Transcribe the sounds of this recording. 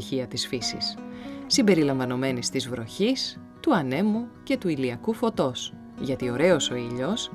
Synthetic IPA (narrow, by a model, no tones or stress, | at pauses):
çiɐt̪isfisḭssimbe̞ɾilɐɱvɐno̞me̞nist̪izvɾo̞çis | t̪uɐne̞muce̞t̪uiliɐkufo̞t̪o̞s | ʝɐt̪io̞ɾe̞o̞so̞iʎo̞s